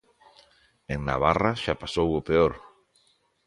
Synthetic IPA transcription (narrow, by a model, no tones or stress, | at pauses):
eŋna̰β̞araʃapasowopeoɾ